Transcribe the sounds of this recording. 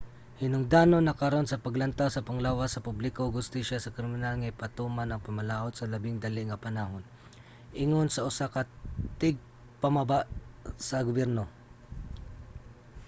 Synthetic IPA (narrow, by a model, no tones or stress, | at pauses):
hɪnʊŋd̪anonːɐkɐɾonsɐpɐɡlɐnt̪awsɐpaŋlawasɐpʊblɪkoɡhʊst̪iʃasɐkɾɪmɪnalŋajpat̪umanɐŋpɐmalaʔot̪̚sɐlɐbɪŋd̪alɪʔŋɐpanaɦon | ʔɪŋonsɐʊsakat̪ɪɡ̚ | pɐmabaʔsɐɡʊbɛɾno